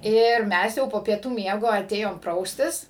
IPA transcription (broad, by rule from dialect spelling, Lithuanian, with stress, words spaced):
ˈɪr ˈmʲɛs jɛʊ poː pʲiɛˈtuː ˈmʲiɛɡoː ɐˈtʲeːjoːm ˈprɐʊsʲtʲɪs